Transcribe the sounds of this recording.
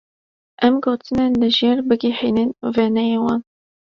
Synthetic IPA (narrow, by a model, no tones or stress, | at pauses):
ʔɛmɡoːt̪ʰɨnenlɨʒjeːɾbɨɡiħinenvenɛjewɑn